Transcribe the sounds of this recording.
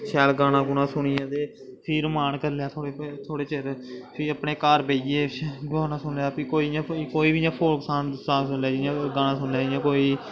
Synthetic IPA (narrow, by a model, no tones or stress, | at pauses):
ʃɛːlɡaːñãːɡʊnãːsʊɳ̃ɪjãːd̪eː | pʰiːɾmaːnkəɾlejaːt̪ʰoːɽeːt̪ʰoːɽeːt͡ʃeɾpʰɪiːəpneːkaːɾbeːieːɡoːnaːsʊnljaːpiːkoːiːjãːkoːiːbijãːpʰoːksaːnsaːsʊnlaːd͡ʒɪãːɡaːnãːsʊnaːjãːkoːiː